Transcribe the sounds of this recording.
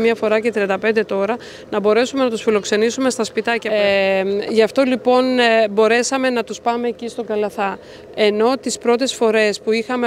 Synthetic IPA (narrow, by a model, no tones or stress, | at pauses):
mɐfo̞ɾɐce̞t̪ɾiɐnd̪ɐpe̞nd̪e̞t̪o̞ɾɐ | nɐbo̞ɾe̞sume̞nɐt̪usfilo̞kse̞nisume̞st̪ɐspit̪ɐcɐ | ʝɐft̪o̞lipo̞nbo̞ɾe̞sɐme̞nɐt̪uspɐme̞ːcist̪o̞ɡɐlɐθɐ | e̞no̞t̪ispɾo̞t̪̬e̞sfo̞ɾe̞spuixɐme